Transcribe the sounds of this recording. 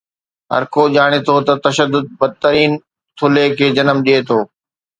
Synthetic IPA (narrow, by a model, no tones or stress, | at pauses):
ɦɐ̰ɾkoʄaːɽ̃et̪ʰoːt̪ɐt̪ɐʃəd̪ːʊd̪̚bɐd̪̚t̪əɾiːn | t̪ʰʊlekʰeːd͡ʑɐnəmɗiet̪ʰoː